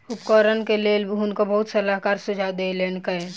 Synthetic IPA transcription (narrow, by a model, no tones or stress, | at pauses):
ʊpkɔɾənkelelbɦʊnkobəɦʊt̪sɐlaɦkaːɾsʊd͡ʒʱad̪elenkəe